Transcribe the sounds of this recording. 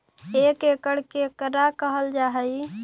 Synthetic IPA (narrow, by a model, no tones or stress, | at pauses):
ekekəɽkekəɾakəɦəld͡ʒaɦəi